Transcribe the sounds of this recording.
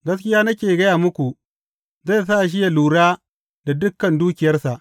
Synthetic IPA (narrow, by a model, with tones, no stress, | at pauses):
ɡɐ˦skʲɪ˦jaː˦nɐ˦kʲeː˨ɡɐ˦jaː˨mʊ˦kʷu˨ | za˦˨s̬aː˦ʔʃ̬ɪ˦ja˨luː˨ɽaː˦ | da˨dʊ˦kːɐ˨nduː˦kʲɪ˨jɐ˦rsa˨ʔ